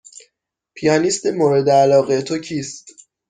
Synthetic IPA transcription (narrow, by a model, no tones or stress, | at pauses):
pʰijɒːnist̪emoːɾed̪eælɒːɣet̪ʰo̞cʰiːst̪